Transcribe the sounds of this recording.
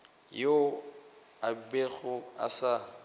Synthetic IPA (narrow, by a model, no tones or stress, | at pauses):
jo | abeɣʊa̰sa